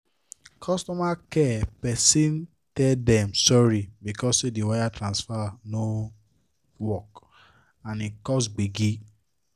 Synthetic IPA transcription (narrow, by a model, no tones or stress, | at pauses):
kʰɔstɔmakɛpɛsĩn | tɛdɛ̃msɔɾibikɔsidiwajatʰɾãnsfano | wɔk | ãnikɔs̬ɡ͡biɡi